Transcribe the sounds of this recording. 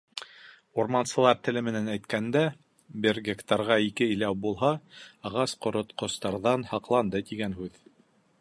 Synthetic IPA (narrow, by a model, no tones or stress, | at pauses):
uɾmɑnsɤ̆lˠɑɾt̪ɘ̆lɘmɘ̆nænæjt̪kænd̪æ | bʲɘɾɡʲekt̪ɑɾʁɑikɘɘ̆læwbulˠɦɑɑʁɑsqŏɾŏt̪qŏst̪ɑɾðɑnhɑqlˠɑnd̪ɤt̪iɡænɦʉð